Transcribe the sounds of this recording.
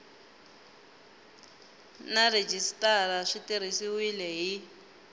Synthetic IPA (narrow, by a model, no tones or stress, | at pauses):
nared͡ʒistʼaɾaʂitiɾ̤isiwilɛɦi